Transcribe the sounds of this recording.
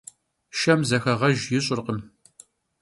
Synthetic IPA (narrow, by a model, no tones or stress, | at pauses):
ʃɐmzɐxɐʁɐʒjɪɕʼʊrqəm